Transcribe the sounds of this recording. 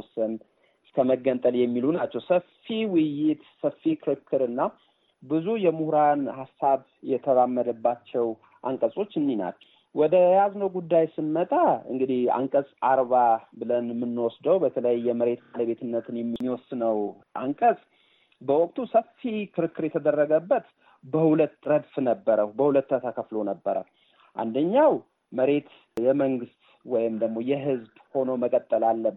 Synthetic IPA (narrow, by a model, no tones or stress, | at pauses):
ɔsən | ɨskʰəməɡːənt̪ʼəljɛmːilunat͡ʃːɛwsəfːiwɨjːɪt̪səfːikʰɨɾɨkʰːɨɾɨnːa | bɨzujɛmuhɾanhasːaβ | jɛt̪ʰəβamːəd̪əbːat͡ʃːɛw | ʔa̰ŋkʼəsʼo̞t͡ʃːɨnːina̰l | wɔd̪əjaznəwɡud̪ːajsɨnːət̪ʼaɨ̰ŋɡɨd̪iha̰ŋkʼəsʼaɾβabɨlənmːɨnːwɔsd̪əwbət̪ʰələjːɛməɾe̞t̪maləβe̞t̪ʰɨnːət̪ʰɨnjɛmːmːiwɔsːɨnəw | ʔa̰ŋkʼəsʼ | bəwɔk̚ʼt̪ʰusəfːikʰɨɾɨkːɨɾjɛt̪ʰəd̪ərːəɡəbːət̪ | bəhulət̪ːɾəd̪fnəbːəɾəbəhulət̪ːət̪ʰakʰəflo̞nəbːəɾə̰h | ʔa̰nd̪əɲːaw | məɾe̞t̪ | jɛməŋɡɨst̪ | wɔjɪmd̪əɡmo̞jɛɦɨzbho̞noməkʼət̪ʼːəlalːə